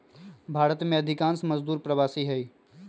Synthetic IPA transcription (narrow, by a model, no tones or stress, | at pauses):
bʱaːɾət̪mẽɐd̪ʱɪkãːnsmɐzd̪uːɾpɾɐʋaːsiɦɛiː